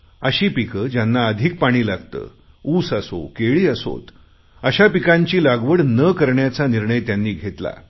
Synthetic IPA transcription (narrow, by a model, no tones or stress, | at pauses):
əɕiːpikəd͡ʑjanːaəd̪ʱik̚paɽ̃iːlaɡt̪ə̰ː | uːsaso̰keɭiːəso̰t̪ | əɕapikãɲt͡ɕiːlaɡʋəɽnəkəɾɳjat͡saniɾɳəjt̪janːiːɡʱet̪la̰